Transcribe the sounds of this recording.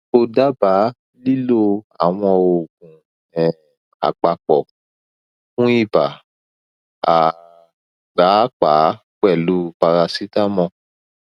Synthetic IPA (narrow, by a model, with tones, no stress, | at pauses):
o˧da˦ba˨˦ | li˦lo˦a̰˨w̃ɔ̃˧o˨ɡũ˨ | ɛ˨ | a̰˨k͡pa˨k͡pɔ˨ | fũ˦i˦˨ba˨ | a˨ | ɡ͡ba˨˦k͡pa˨˦ | k͡pɛ˦˨lu˨˦pa˧ɾa˧si˦ta˦mɔ̃˧